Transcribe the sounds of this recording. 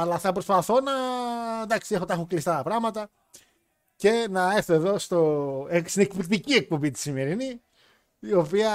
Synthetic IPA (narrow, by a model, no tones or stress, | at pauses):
ɐlɐθɐpɾo̞spɐθo̞nɐd̪ɐksie̞xot̪ɐxoklist̪ɐt̪ɐpɾɐɣmɐt̪ɐ | ce̞nɐeɾθieðo̞st̪o̞est̪inekpikt̪icie̞k̚po̞mbit̪̬i̥sime̞ɾini | io̞piɐ